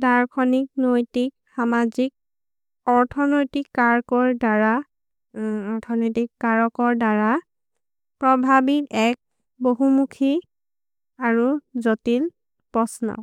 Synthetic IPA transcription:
daɹkʰɔnik̚nojtik̚ | xamazik̚ | ɔɹtʰɔnojtikːaɹkɔɹdaɹa | ɔɹtʰɔnojtikːaɹɔkɔɹdaɹa | pɹɔbʱabitɛk̚ | boɦumukʰi | aɹuzotil | pɔsna̰

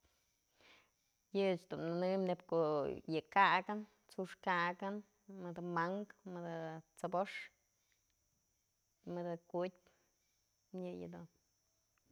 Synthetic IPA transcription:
jɨt͡ʃd̪umnɨnɨmnebkoʔjɨkaɡɨn | t͡suʂkaʔɡɨn | mɨd̪amaŋkmɨd̪ɨt͡saboʂ | mɨd̪akut̚ʲp | mjɨjɨ̰d̪un

